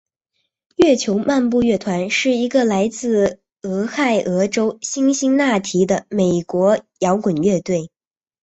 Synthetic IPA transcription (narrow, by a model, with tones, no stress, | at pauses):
ɥɛ˥˩t͡ɕʰjo˧˥ʊma˥˧npu˥˧ɥɛ˥˩t̪ʰwa˧˥nʂɻ̩˥˩i˧˥ɡə˧la˧˥ɪt͡sɹ̩˥˩ | ɤ˧˥xa˥˩ɪʔɤ˧˥ʈ͡ʂo˥ʊɕi˥ŋɕi˥ŋna˥˩t̪ʰi˧˥d̪ə˧me˨˩ɪkwɔ˧˥jɑ˧˥ʊkwə˨˩nɥɛ˥˧t̪we˥˩ɪ